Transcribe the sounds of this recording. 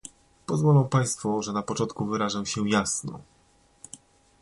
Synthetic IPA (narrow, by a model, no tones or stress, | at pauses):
pɔzvɔlɔ̃w̃paj̃st̪fuʐɛnapɔt͡ʂɔnt̪kuvɘɾaʐawɕɛjasnɔ̰